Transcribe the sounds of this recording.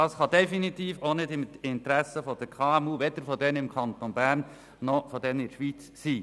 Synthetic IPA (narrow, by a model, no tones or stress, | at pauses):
ɑːsχɑd̪ɛfinit̪iːfonɪdɪmɪnt̪ɾæsəfɔd̥əɾkʰɑːɛmuʋɛd̥̪əɾfɔdɛnɪmkʰɑnt̪onbæːɾn | nɔfɔd̪ɛnɪʃʋit͡sːiː